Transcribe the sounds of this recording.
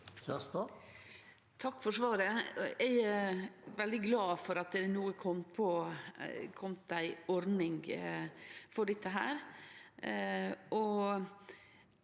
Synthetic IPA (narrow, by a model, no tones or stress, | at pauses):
sɛst̪ɑ | t̪ʰɑkːfɔʂʋɑːɾəɛɪ | ʋɛld̪ɪɡlɑːfɔɾɑt̪̚d̪ɛd̪ɛnuːəkʰɔmpʰɔ | kʰɔmt̪̚d̪æɪɔɾnɪŋ | fɔɖɪt̪ːəɦæ̰ːɾ | ʔɔ